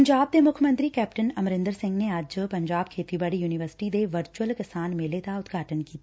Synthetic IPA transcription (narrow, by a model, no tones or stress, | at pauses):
ɐɲd͡ʒaːb̚d̪emʊkʰjəmə̃nt̪ɾikɛːp̚ʈənɐmɾɪ̃nd̪əɾsɪ̃ŋɡneaːd͡ʒpɐ̃ɲd͡ʒaːb̚kʰeːt̪ibəɽijuːnɪʋəɾsɪ̥ʈid̪eʋəɾt͡ʃuwəlkɪsaːnmẽleːt̪aʊd̪ɡʱaːʈənkiːt̪ː